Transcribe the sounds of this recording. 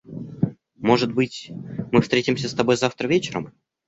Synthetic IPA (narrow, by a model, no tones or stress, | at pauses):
mo̞ʐɨt̪̚bɨtʲmɨfst̪ɾʲetʲɪmsʲəst̪ɐbo̞jzaft̪ɾəvʲet͡ɕɪɾə̰m